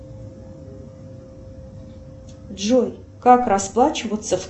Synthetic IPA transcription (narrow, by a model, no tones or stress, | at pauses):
ʐoj | kakrasplˠat͡ɕɪvət̪səf